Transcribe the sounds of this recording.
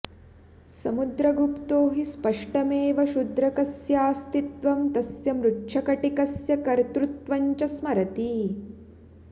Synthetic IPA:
sɐmud̪ɾɐɡupt̪oːɦispɐʂʈɐmeːʋɐʃud̪ɾɐkɐsjaːst̪it̪ʋɐmt̪ɐsjɐmɾuʈʂɐkɐʈikɐsjɐkɐɾt̪ɾut̪ʋɐɲt͡ʃɐsmɐɾɐt̪i

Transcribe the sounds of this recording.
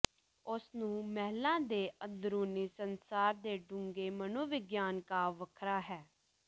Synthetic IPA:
ʊsnũːmɛːlãːd̪eːʔəd̪ɾuːniːsənsaːɾd̪eːɖʊŋɡeːmənoːʋɪɡjaːnkaːʋəkʰɾaːɦɛː

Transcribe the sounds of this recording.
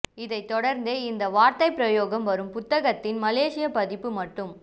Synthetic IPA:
ɪðɐɪt̪ːɔɽɐɾnd̪eːɪnd̪ɐʋaːɾt̪ɐɪpɪɾɐjoːɣɐmʋɐɾɯmpʊt̪ːɐɣɐt̪ːɪnmɐleːʂɪjɐpɐðɪpːɯmɐʈːɯm

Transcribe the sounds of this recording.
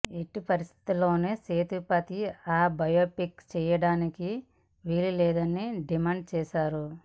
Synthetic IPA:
e̞ʈːipɐɾist̪ʰi̥t̪ulːo̞ːneːseːt̪upɐt̪iaːbɐjoːpikt͡ʃɛːjɐɽaːniki | ʋiːlilɛːd̪ɐnːiɖimaːɳɖ̚t͡ʃɛːʃaːɾu

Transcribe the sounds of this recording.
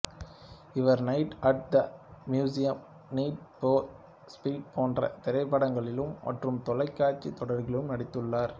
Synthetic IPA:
ɪʋɐɾnɐɪʈɐʈ̚d̪ɐmjuːsɪjɐm | niːʈ̚poː | spiːʈ̚pʰoːndrɐ̰t̪ɪɾɐɪpːɐɽɐŋɡɐɭɪlɯmːɐ̰ʈrɯmt̪ɔlɐɪkːaːt͡ʃːit̪ːɔɽɐɾɣɪlɯmnɐɽɪt̪ːɯɭːaːɾ

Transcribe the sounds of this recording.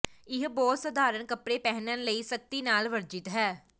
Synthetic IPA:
ɪɦbɔːt̪səd̪ʱaːɾənkəpɾeːpɛɦnənləiːsək̚t̪iːnaːlʋəɾd͡ʒɪt̪ɦɛː

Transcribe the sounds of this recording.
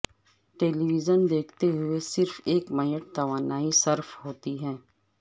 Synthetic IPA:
ʈeːliʋɪzənd̪eːkʰt̪eɦʊesɪɾfeːkmɐjəʈ̚t̪ɐʋaːnaːisɐɾfɦoːt̪iɦɛː

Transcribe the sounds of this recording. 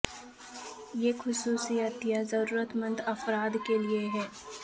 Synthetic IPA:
jeːxʊsuːsijət̪jazɐɾuːɾət̪mə̃nd̪ɐfɾaːd̪kelieɦɛː

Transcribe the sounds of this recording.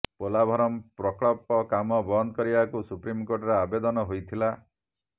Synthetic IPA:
polabʱɔɾɔmpɾɔkɭɔpɔkamɔbɔnd̪ɔkɔɾibakusupɾimkoɾʈɔɾeabed̪ɔnɔɦojt̪ʰila

